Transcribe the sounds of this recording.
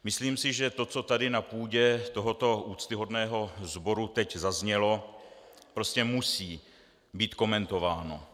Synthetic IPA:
mɪsliːmsɪʒɛt̪o̞t͡so̞t̪adɪnapuːɟɛt̪o̞ɦo̞t̪o̞ʔuːt͡st̪ɪɦo̞dnɛːɦo̞zbo̞ɾut̪ɛczazɲɛlo̞ | pɾo̞scɛmusiː | biːt̪ko̞mɛnt̪o̞vaːno̰

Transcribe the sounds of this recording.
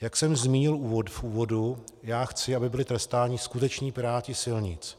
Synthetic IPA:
jaksɛmzmiːɲɪluːvot̪fʔuːvo̞dujaːxt͡sɪabɪbɪlɪt̪ɾɛst̪aːɲɪskut̪ɛt͡ʃɲiːpɪɾaːcɪsɪlɲɪt͡s

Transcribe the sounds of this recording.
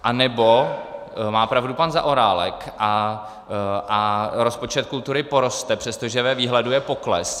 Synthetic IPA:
ʔanɛbo | maːpɾavdupanza̰ʔo̞ɾaːlɛ̰kʔa | ʔaɾo̞spo̞t͡ʃɛt̪̚kult̪uɾɪpo̞ɾo̞st̪ɛpr̝̥ɛst̪oʒɛvɛviːɦlɛdujɛpo̞klɛ̰s

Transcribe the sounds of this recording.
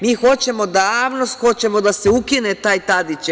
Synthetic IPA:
miːxo̞t͡ɕe̞mo̞d̪aaːʋnost̪xo̞t͡ɕe̞mo̞d̪aseukinet̪aːjt̪ad̪it͡ɕ

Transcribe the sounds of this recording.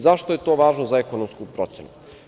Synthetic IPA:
zaʃt̪oje̞t̪oʋaːʒnozaekonomskupɾo̞t̪senu

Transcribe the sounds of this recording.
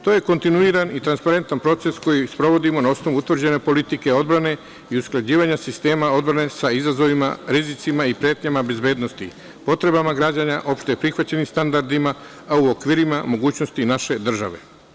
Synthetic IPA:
t̪oje̞ko̞nt̪inuiɾanit̪ɾanspaɾe̞nt̪anpɾo̞t̪se̞sko̞jispɾo̞ʋo̞d̪imo̞naosno̞ʋuut̪ʋrd͡ʑe̞ne̞po̞lit̪ike̞o̞d̪̚bɾane̞ | iusklˠad͡ʑiːʋaɲasist̪e̞ːmao̞d̪̚bɾane̞saizazo̞ʋima̰ɾizit̪simaipɾje̞ːt̪ɲamabe̞zbe̞ːd̪no̞st̪i | po̞t̪ɾe̞bamaɡɾaːd͡ʑaɲaʔo̞pʃt̪eepɾixʋat͡ɕe̞nimst̪and̪aɾd̪imaː | uokʋiːɾimamo̞ɡuːt͡ɕno̞st̪inaʃe̞d̪r̩ʒa̰ʋe̞̰

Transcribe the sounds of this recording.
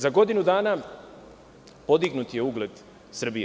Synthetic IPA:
zaɡo̞d̪inud̪aːna | po̞d̪iɡnut̪je̞uːɡle̞d̪ | sr̩bi

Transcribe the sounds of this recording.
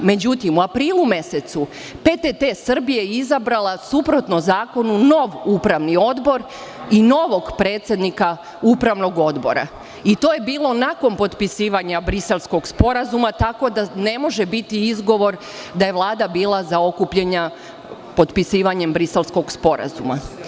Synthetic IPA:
me̞d͡ʑut̪imuapɾiːlˠume̞se̞t̪su | pet̪et̪esr̩bijeizabɾalˠasupɾo̞t̪nozaːko̞nuno̞ʋupɾaʋnio̞d̪bo̞ɾ | ino̞ʋo̞ɡpɾe̞ːt̪sje̞d̪nika | upɾaʋno̞ɡo̞d̪bo̞̰ɾa̰ | it̪oːje̞biːlˠo̞nako̞npo̞t̪pisiːʋaɲabɾise̞lˠsko̞ɡspo̞ɾazumat̪ako̞d̪ane̞mo̞ʒebit̪iizɡo̞ʋo̞ɾ | d̪aje̞ʋlˠaːd̪abiːlˠazao̞kupʎeɲa | po̞t̪pisiːʋaɲe̞mbɾise̞lˠsko̞ɡspo̞ɾa̰zuma̰

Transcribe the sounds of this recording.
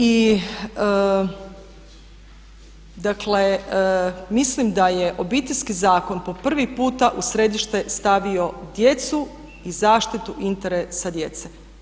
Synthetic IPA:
i | ə | d̪akle | mislimd̪ajeʔo̞bit̪eʎʲskizaːko̞npo̞pr̩ʋipuːt̪aʔusɾe̞d̪iʃt̪e̞st̪aʋio̞d̪je̞t̪su | izaːʃt̪it̪uʔint̪eɾesad̪je̞t̪se

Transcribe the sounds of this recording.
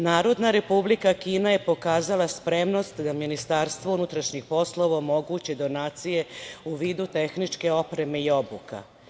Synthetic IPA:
naːɾo̞d̪naɾe̞publikakiːnaje̞po̞kaːzalaspɾe̞mnost̪d̪aminist̪aːɾst̪ʋounut̪ɾaʃɲixpo̞slˠo̞ʋaomo̞ɡuːt͡ɕed̪o̞naːt̪sije̞uʋiːd̪ut̪e̞xnit͡ʂke̞o̞pɾe̞me̞io̞buka̰

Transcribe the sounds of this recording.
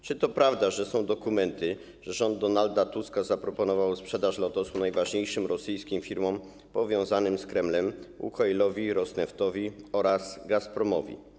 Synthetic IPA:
t͡ʂɘt̪ɔpɾavd̪aʐɛsɔ̃w̃d̪ɔkumɛnt̪ɘ | ʐɛʐɔnd̪ːɔnald̪at̪uskazapɾɔpɔnɔvawspʂɛd̪aʂlɔt̪ɔsunajvaʐɲejʂɘmɾɔsɘjskʲimfʲiɾmɔ̃m | pɔvʲjɔ̃w̃zanɘmskɾɛmlɛmṵkajlɔvʲiɾɔsnɛft̪ɔvʲiɔɾaz̥ɡaspɾɔmɔvʲḭ

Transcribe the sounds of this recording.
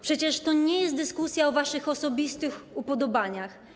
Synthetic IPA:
pʂɛt͡ɕɛʂt̪ɔɲɛjɛst̪d̪ɘskusʲjaɔvaʂɘxɔsɔbʲist̪ɘxupɔd̪ɔbaɲax

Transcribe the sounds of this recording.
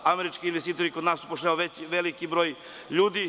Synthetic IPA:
ameɾit͡ʃkiinʋest̪iːt̪o̞ɾiko̞d̪naːsːu̥poʃ̬eaoʋet͡ɕʋelikibɾo̞ːj | ʎuːd̪i

